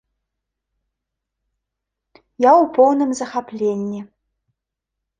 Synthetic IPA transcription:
jawpʰɔwnəmzɐxaplʲenʲːi

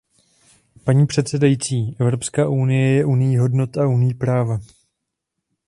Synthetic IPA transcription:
paɲiːpr̝̥ɛt̪sɛdajit͡siːʔɛvɾo̞pskaːʔunɪjɛjɛʔunɪjiɦo̞dno̞t̪aunɪjiːpɾaːva

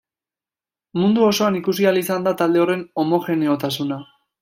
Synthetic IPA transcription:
mund̪uo̞so̞anikusialisand̪at̪ald̪e̞o̞re̞no̞mo̞xe̞ne̞o̞t̪asuna

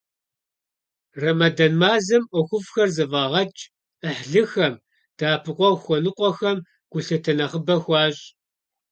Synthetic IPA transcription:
rɐmɐdɐnmaːzɐmʔɔxʷʊfxɐrzɨvɐːʁɐt͡ʃʼ | əħɮɨxɐm | d̥aːpʰɨqʷʼɔwxʷɔnɨqʷʼɔxɐm | ɡ̥ʷʊɬɐtʰɐnɐχəbɐxʷɑːɕʼ

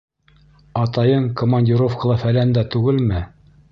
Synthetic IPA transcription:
ɑt̪ɑjɤɴkomanʲdʲiɾofkɑlˠɑfælænd̪æt̪ʉɡɘlmɘ

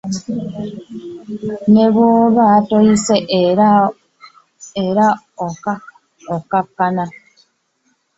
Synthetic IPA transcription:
neβwoβaːtoiseʔ | eɾa | oka | okakːana

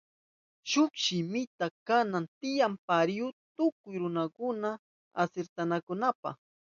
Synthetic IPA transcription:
ʃʊkʃɪmɪt̪akanant̪ɪjampaɾjʊt̪ʊkʊjɾʊnakʊna | a̰seɾt̪anakʊnapa̰χ

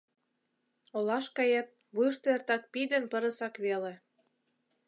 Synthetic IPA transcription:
olɑʃkɑjɑt̪̚ | βɯʃt̪oert̪ɑk̚pid̪enpə̆ɾə̆sɑkβelĕ

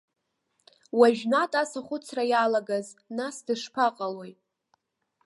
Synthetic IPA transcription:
waʒᶣnatʼasaχʷʊt͡sʰrajalaɡaznasdɨʂpʰaqʼalo̞jʼ

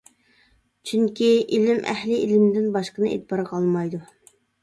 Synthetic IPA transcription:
t͡ʃʰyŋkʲiilɪmʔæ̰hlɪʔilɪmd̪ɪnbɑʃqənɨʔḛt̪̚bɑɾəqʰɑlˠmɑjd̪u

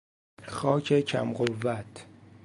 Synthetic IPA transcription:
xɒːcʰecʰæ̰mɢovːæt̪ʰ

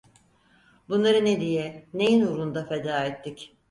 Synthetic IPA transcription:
bunlˠaɾɯned̪ijɛne̞jinuɾund̪afe̞d̪aːet̪ʰːic

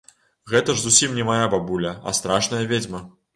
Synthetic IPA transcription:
ɣɛt̪ɐʐzusʲimnʲɛmajababulʲɐɐ̰st̪ɾaʂnɐjɐvʲed͡zʲmɐ

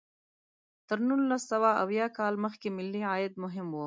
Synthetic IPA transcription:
t̪əɾnulːasawaa̰wjɑkɑlməxkemɪlːiɑjɪd̪̚mʊɦɪmwu

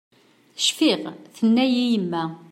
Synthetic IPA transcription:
ʃfɪʁθənːæjijəmːæ

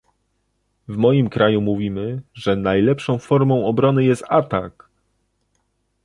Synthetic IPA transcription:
vmɔjimkɾʔajumuvʲimɘʐɛnajlɛpʂɔ̃w̃fɔɾmɔ̃w̃ɔbɾɔnɘjɛst̪at̪ak

